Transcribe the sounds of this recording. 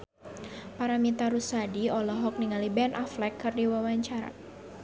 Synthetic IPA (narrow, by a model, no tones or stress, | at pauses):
paɾamit̪aɾusadiɔlɔɦɔk̚niŋalibɛnʔaflɛkːɨrdiwawaɲt͡ʃaɾa̰